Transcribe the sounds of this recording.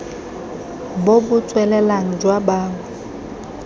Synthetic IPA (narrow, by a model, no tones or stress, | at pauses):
bobʊt͡sʼwɛlɛlaŋ̩d͡ʒwabaːŋɛ